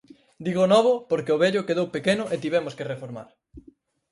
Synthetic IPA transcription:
d̪iɣonɔβʊpoɾkeoβeʎʊkeðowpekenʊʔet̪iβɛmʊskerefoɾma̰ɾ

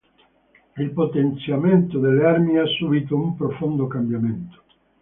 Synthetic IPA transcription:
ilpot̪ent̪sjament̪od̪eleaɾmiasːubit̪oumpɾofond̪okambjament̪o̥

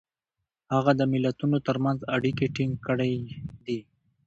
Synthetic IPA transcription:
haɣad̪əmɪlːat̪unot̪əɾmanzaɽikeʈɪŋɡkəɽajd̪i

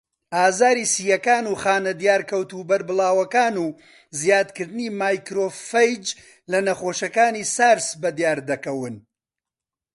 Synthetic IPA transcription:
ʔaːzaːɾiːsiːjɐkaːnuːχaːnɐd̪jaːɾkɐwt̪ubɐɾbɨlˠaːwɐkaːnuː | zjaːd̪kɨɾd̪ɨniːmaːjkɾoːfɐjd͡ʒ | lɐnɐχoːʃɐkaːniːsaːɾsbɐd̪ijaːɾd̪ɐkɐwɨn

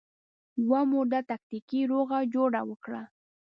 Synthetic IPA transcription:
wamʊd̪at̪ak̚t̪ɪkiɾoɣad͡ʒoɽawʊkɽa

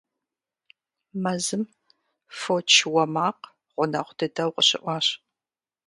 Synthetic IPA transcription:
mɐzɨm | fot͡ʃʰwɐmaːq | ʁʷʊnɐχʷʊdɨdɐwqʼəɕɪ̰ʔʷɑːɕ

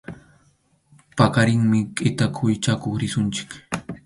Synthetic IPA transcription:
pakaɾɪŋmɪqʼɪt̪akʰʊjt͡ʃakoχɾɪsʊnt͡ʃɪ̥k

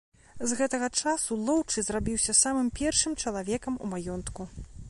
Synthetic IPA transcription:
zɣɛt̪ɐɣɐt͡ʂasulˠɔwt͡ʂɨzrabʲiwsʲɐsamɨmpʲɛrʂɨmt͡ʂɐlˠavʲɛkɐmṵmajɔnt̪ku

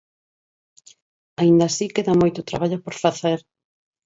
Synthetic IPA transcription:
aind̪asikeðamojt̪ʊt̪ɾa̰βaʎʊpoɾfaθeɾ

